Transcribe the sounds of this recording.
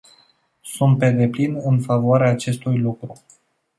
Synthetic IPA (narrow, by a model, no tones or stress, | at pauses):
sunt̪̚pe̞d̪e̞plinɨnfavoaɾeaːt͡ʃe̞st̪ujlukɾu